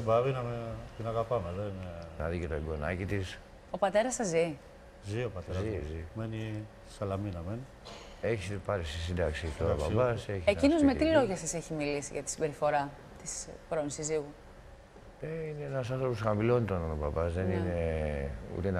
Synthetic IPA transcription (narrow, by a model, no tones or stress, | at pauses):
bɐβinɐmet̪inɐɣɐpɐmeðenenɐðicet̪oɡonɐ̰cit̪is | o̞pɐt̪e̞ɾɐsɐzi | ziopɐt̪ezzizimeni | sɐlɐminɐmen | eçipɐɾisis̬ind̪ɐksit̪oɾɐpbɐseçsecinozme̞t̪ilo̞ʝɐsɐseçimilisiʝɐt̪i̥sibe̞ɾifo̞ɾɐ | t̪ispɾonisiziɣu | eineenɐsɐnθɾo̞posxɐmilo̞nit̪onɐnobɐbɐzðenine̞ | ṵt̪een